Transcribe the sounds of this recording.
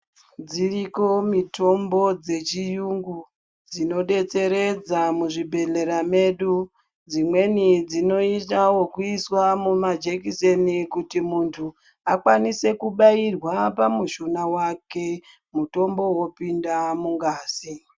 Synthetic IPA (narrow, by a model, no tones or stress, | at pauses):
d͡ziriko̞mitʰo̞mbo̞d͡ze̞t͡ʃijuŋɡu | d͡zino̞ɗe̞t͡se̞ɾe̞d͡zamuʐibʱe̞ɮe̞ɾame̞ːɗu | d͡zimwe̞nid͡zino̞itawokuiswamumad͡ʒekisenikutimuntʰu | akwanise̞kuɓairwapamuʃonawake̞ | muto̞mbo̞wo̞pindamuŋɡaːsi